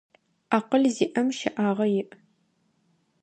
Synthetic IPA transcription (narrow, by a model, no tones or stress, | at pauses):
aːqəɮziːʔɐmʃɐʔaːʁɐjɪʔ